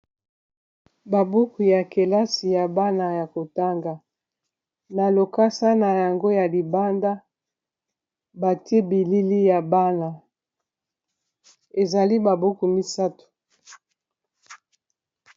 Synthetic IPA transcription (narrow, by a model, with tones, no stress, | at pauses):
ba˨bu˦ku˨ja˨ke˨la˦si˨ja˨ba˦na˨ja˨ko˨ta˦ŋɡa˨ | na˨lo˨ka˦sa˦na˨ja˨ŋɡo˦ja˨li˨ba˦nda˦ | ba˨te˦bi˨li˦li˦ja˨ba˦na˨ | e˨za˨li˦ba˨bu˦ku˨mi˦sa˦tu̥˨